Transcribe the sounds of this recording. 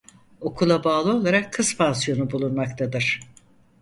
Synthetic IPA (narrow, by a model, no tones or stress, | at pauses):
o̞kʰulˠabaːlˠɯo̞lˠaɾakʰːɯspʰansijo̞nubulˠunmakt̪ʰad̪ɯɾ̥